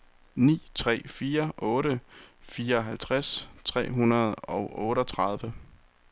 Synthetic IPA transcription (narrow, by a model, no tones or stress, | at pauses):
nḭːt͡sʰʁɛ̰ːfiːɐʔɔ̽ːɾəfiːɐɒ̽ɦælt͡sʰʁast͡sʰʁɛ̰ːɦunɐð̞̩ˠɒ̽ʊʔɔ̽ːɾəɒ̽t͡sʰʁɑ̈ð̞ˠʋə